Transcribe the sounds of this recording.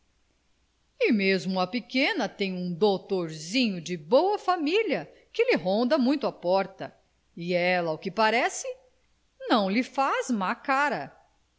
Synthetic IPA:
ɪmezmʊɐpekẽnɐt̪ẽj̃ũd̪ot̪oɾzĩɲʊd͡ʒɪbowɐfamilɐ | kɪlɪɦõnd̪ɐmũj̃t̪ʊɐpɔɾt̪ɐ | ɪɛlɐʊkɪpaɾɛsɪ | nɐ̃w̃lɪfazmakaɾɐ

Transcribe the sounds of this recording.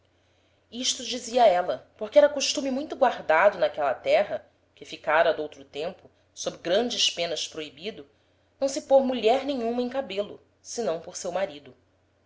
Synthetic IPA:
iʃt̪ʊd͡ʒiziɐɛlɐpoɾkɪɛɾɐkoʃt̪ũmimũj̃t̪ʊɡwaɾd̪ad̪ʊnakɛlɐt̪ɛɦɐ | kɪfikaɾɐd̪owt̪ɾʊt̪ẽmpʊ | sobɾɪɡɾɐ̃nd͡ʒɪspẽnɐspɾoibid̪ʊ | nɐ̃w̃sɪpoɾmuʎɛɾnẽjɲũmɐẽj̃kabelʊ̰ | sɪnɐ̃w̃poɾsewmaɾid̪ʊ

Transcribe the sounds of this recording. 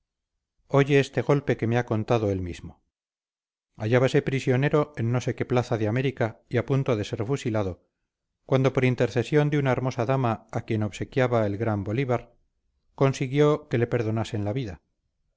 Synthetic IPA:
o̞ʝe̞est̪e̞ɣo̞lpe̞ke̞meako̞nt̪aðo̞e̞lmizmo | aʝaβase̞pɾisjo̞ne̞ɾo̞enːo̞se̞ke̞plaθaðeame̞ɾikaiapunt̪oðe̞se̞ɾfusilaðo | kwan̪d̪o̞po̞ɾint̪e̞ɾθe̞sjo̞nd̪eunaeɾmo̞saðamaakje̞no̞βse̞kjaβaelɣɾamboliβaɾ | kwo̞nsiɣjo̞ke̞le̞pe̞ɾðo̞nase̞nlaβiða

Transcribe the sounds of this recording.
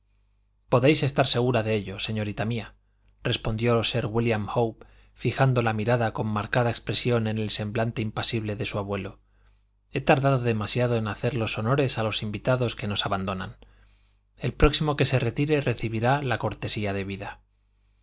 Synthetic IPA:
po̞ðe̞jse̞st̪aɾse̞ɣ̞uɾaðe̞eʎo̞se̞ɲo̞ɾit̪amia | re̞spo̞nd̪jo̞se̞ɾɣwiljamhowp | fixand̪o̞lamiɾaðako̞mːaɾkaðaekspɾe̞sjo̞ne̞ne̞lsẽ̞mblant̪e̞impasiβle̞ðe̞suaβwe̞lo̞ | e̞t̪aɾðaðo̞ðe̞masjaðo̞e̞naθe̞ɾlo̞so̞no̞ɾe̞salo̞simbit̪aðo̞ske̞no̞saβand̪o̞na̰n | e̞lpɾo̞ksimo̞ke̞se̞re̞t̪iɾe̞re̞θiβiɾalako̞ɾt̪e̞siaðe̞βiða

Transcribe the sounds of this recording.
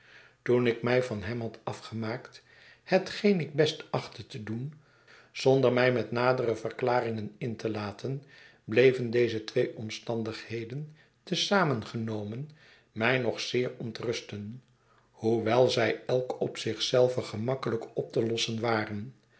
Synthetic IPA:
tunɪkmɛjvɑnɦɛmɦɑtɑfχəmaːkt | hətχejnɪɡ̚bɛstɑχtətədun | z̥ɔndəɹmɛjmɛtnaːdərəvərklaːrɪŋənɪntəlaːtʰən | blejvəndejzətʋejʔɔmstɑndəχhejdən | təsaːmənχənowmən | mɛjnɔχsɪːɹɔntrɵstən | huʋɛlˠzɛjɛlˠkɔpsɪχsɛlˠvəχəmɑkələkɔp̚təlɔsənʋaːrən

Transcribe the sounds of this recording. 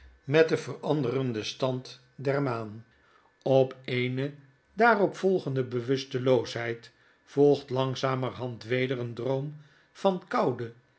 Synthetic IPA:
mɛt̚dəvərɑndərəndəstɑnt | dɛɹmaːn | ɔpejnə | daːrɔpfɔlˠχəndəbəʋɵstəlowsɦɛjt | fɔlˠχtlɑŋzaːməɹɦɑntʋejdərəndrowm | v̥ɑnkɑwdə

